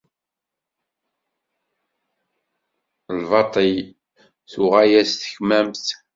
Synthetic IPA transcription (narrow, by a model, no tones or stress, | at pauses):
lvɑt̪ˤij | θuʁæjæst̪ə̥çmæmθ